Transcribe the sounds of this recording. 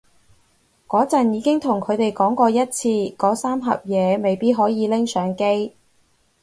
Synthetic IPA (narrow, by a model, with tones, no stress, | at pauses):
kɔː˨˥t͡sɐ˨njiː˨˧˥kɪ˥ŋt̪ʰʊ˨˩ŋkʰɵ˨˧ɥt̪e˨˩jkɔː˨˥ŋkɔː˧jɐ˥t̚t͡sʰiː˧kɔː˨˥saː˥mɦɐ̰˨p̚jɛː˨˧me˨jpiː˥t̚ɦɔː˨˥jiː˨˧lɪ˥ŋsœː˨˥ŋke˥j